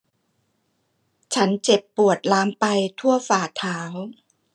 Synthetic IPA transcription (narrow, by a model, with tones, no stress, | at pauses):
t͡ɕʰa˦˥nt͡ɕe˨˩pːu˨˩ət̪̚laː˦˥mpa˧jt̪ʰu˥˩ɐfaː˨˩t̪ʰaː˩˦˥w